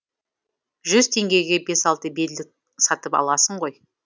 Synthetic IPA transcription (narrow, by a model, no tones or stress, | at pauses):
ʒʏzt̪ʰe̞ŋɡʲe̞jɡʲe̞be̞sɑlˠt̪əbe̞lɪk̚ | sɑt̪əpɑ̰lˠɑsəɴʁo̞j